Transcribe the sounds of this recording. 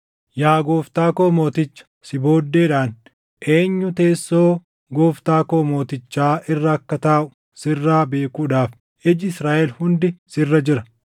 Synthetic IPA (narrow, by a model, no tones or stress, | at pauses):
jaːɡo̞ːft̪aːkoːmo̞ːt̪ɪt͡ʃːɐ̥sɪbo̞ːd̪ːeːᶑaːn | ʔe̞ːɲːʊt̪e̞ːsːo̞ː | ɡo̞ːft̪aːkoːmo̞ːt̪ɪt͡ʃːaːʔɪrːɐːkːɐt̪aːʔʊ̥ | sɪrːaːbe̞ːkuːᶑaːf | ʔɛd͡ʒɪɪsɾaːʔɛlhʊnd̪ɪsɪrːɐd͡ʒɪɾɐ